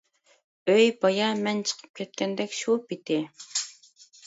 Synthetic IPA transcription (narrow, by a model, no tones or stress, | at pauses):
øjbɑjɑmɛnt͡ʃʰə̥qʰə̥p̚kʲʰɛt̪̚kʲʰɛnd̪ɛkʲʃupit̪ʰɪ